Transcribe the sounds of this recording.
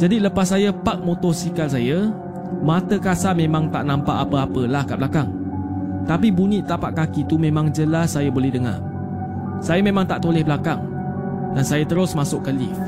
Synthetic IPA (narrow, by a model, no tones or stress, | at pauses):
d͡ʒadiləpasːajapak̚mot̪ɔsikals̬aja | mãt̪əkasamẽmãŋt̪a̰ʔnãmpaʔapəapəlahkaʔblakaŋ | t̪apibunĩʔt̪aʔpaʔkakit̪umẽmãŋd͡ʒəlasːajabolɛhdəŋa̰ | sajamẽmãŋt̪aʔt̪olɛhbəlakaŋ | dansajat̪əɾʊsmasʊkːalḭ